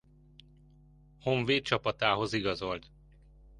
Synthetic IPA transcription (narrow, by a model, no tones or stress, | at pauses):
hoɱveːt̪t͡ʃɒpɒt̪aːɦo̞ziɡɒzo̞lt̪